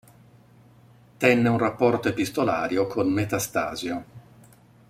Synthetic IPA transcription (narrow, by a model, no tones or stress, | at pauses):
t̪ɛnːeunrapːɔrt̪oepist̪ola̰ːɾjokʰonmet̪ast̪a̰ːzjo